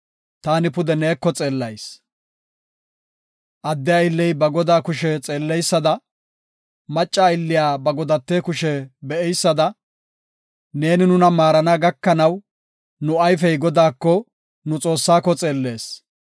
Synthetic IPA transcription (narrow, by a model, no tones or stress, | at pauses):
t̪aːnɪpʊd̪ɛneːkːɔt͡sʼe̞ːlːɐjs | ʔɐd̪ːɛjaɪlːɛjbɐɡɔd̪aːkʊʃɛt͡sʼe̞ːlːɛjsːɐd̪ɐ | mɐt͡ʃʼːaːɪlːɪjaːbɐɡɔd̪ɐt̪ːeːkʊʃɛbɛɛjsːɐd̪ɐ | ne̞ːnɪnʊnɐmaːɾɐnaɡɐkːɐnɐw | nʊɐjfɛjɡɔd̪aːkːɔ | nʊt͡sʼo̞ːsːaːkːɔt͡sʼe̞ːlːe̞ːs